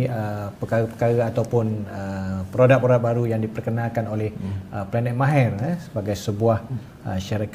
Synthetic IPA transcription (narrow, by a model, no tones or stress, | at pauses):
əpəkaɣəpəkaɣaat̪awpʊnəpɾodak̚oɾaʔ̚baɾujaŋdipərkənãkanolɛhəplanɛt̪̚mãɦɛrasəbaɡajsəbuah | ə̰ʃəɾak